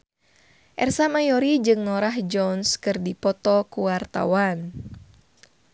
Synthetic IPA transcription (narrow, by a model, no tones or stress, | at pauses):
ʔɛrsamajɔɾid͡ʒɨŋnɔɾahd͡ʒɔnskɨrdipɔt̪ɔkuwart̪a̰wan